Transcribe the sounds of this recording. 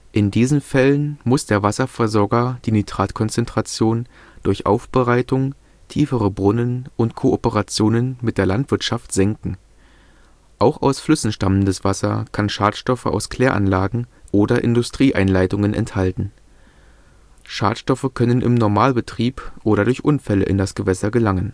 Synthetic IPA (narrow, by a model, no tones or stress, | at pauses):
ʔɪndiːzn̩fɛlənmʊsd̥eːɐvasɐfɛɐzɔɐɡɐd̥iːnytʁ̥aːtkʰɔnt͡sɛntʁ̥at͡sjoːn | d̥ʊɐçʔa̰ʊfb̥əʁaɪtʊŋ | tʰiːfəʁəbʁʊnənʔʊntkʰoʔopəʁat͡sjoːnənmɪt̚d̥eːɐlantv̥ɪɐtʃaftz̥ɛŋkŋ̩ | ʔaʊxaʊsflʏsn̩ʃtaməndəsv̥asɐkʰanʃaːtʃtɔfəʔa̰ʊskʰl̥eːɐʔa̰nlaːɡŋ̩ʔoːdɐʔɪ̰ndʊstʁ̥iːʔa̰ɪnlaɪtʊŋənʔɛ̰nthaltn̩ | ʃa̰ːtʃtɔfəkʰœnənʔɪ̰mnɔɐmaːlbətʁ̥iːpʔoːɾɐdʊɐçʔʊnfɛlə̰ʔɪ̰ndasɡ̥əvɛsɐɡəlaŋən